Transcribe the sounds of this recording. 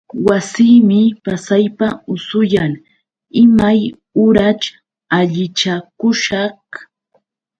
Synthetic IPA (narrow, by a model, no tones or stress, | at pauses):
wasiːmɪpasajpaʊsʊjaŋ | ɪmaj | ʊɾat͡ʃ | aʎɪt͡ʃakʊʃɑχ